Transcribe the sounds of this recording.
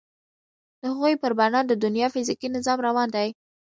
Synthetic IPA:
d̪̥əhaɣujpəɾbanɑnd̪əd̪ʊnjɑfɪzikinɪzɑmɾawɑnd̪aj

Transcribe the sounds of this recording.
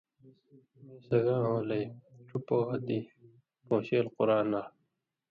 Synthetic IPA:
sɐɡãːɦõːlejʈ͡ʂʰupoːɦɐt̪i | põːɕeːlquɾaːnaː

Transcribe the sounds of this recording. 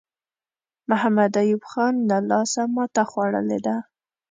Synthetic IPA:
mʊhamad̪ajubxɑnlalɑsamɑt̪axwɑɽə̰lḛd̪a

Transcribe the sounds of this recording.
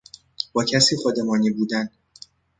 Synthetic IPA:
b̥ɒːcʰæsiːxod̪emɒːniːbuːd̪æn

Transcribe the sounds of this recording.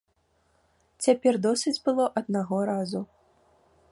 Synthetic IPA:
t͡sʲapʲɛrd̪ɔsɨd͡zʲbɨlˠɔʔɐd̪naɣɔɾazu

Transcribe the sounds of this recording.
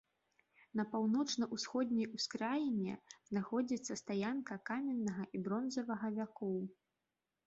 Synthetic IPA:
nɐpawnɔt͡ʂnɐʔusxɔd̪ʲnʲɛjuskɾajnʲɛz̥naxɔd͡zʲit̪sːɐst̪ajankɐkamʲɛnːɐɣɐʔibɾɔnzɐvɐɣɐvʲakɔw

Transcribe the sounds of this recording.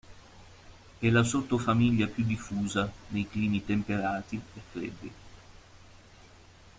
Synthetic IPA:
ɛlasot̪ːofamiʎːapjud̪ːifːuːzanejkliːmit̪empeɾaːt̪iefɾḛd̪ːi

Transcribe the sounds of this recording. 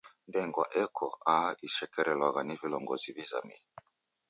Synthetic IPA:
ndɛŋɡwa̰ʔɛkʰɔaiʃɛkɛɾɛlwaɣanivilɔŋɡɔziviza̰mi

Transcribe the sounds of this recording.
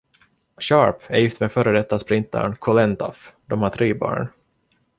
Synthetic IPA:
ɕɑːɾpæjɪft̪meːfœːɾəd̪ɛt̪ːaspɾɪnt̪a̰ɳkʰɔlɛnt̪a̰fd̪ɔmhatʰɾiːbɑ̰ːɳ

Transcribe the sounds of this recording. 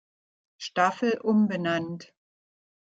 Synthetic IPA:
ʃtafl̩ʔʊmbənant

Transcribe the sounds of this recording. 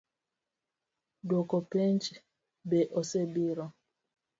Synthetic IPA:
dokopent͡ʃ | beʔosebiɾɔ

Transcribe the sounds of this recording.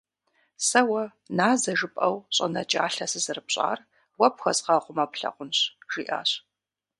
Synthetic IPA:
sɐwɐ | naːzɐʒɨpʼɐwɕʼɐnɐt͡ʃʼa̰ːɬɐsɨzɨrɨpɕʼa̰ːr | wɐpxɐsʼqɑqʷʊmɐpɬɐ̰qʷʊnɕʒ̥ḭːʔa̰ːɕ

